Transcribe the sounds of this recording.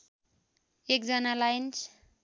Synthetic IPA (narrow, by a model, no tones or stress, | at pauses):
ekzanalajnt͡ʃ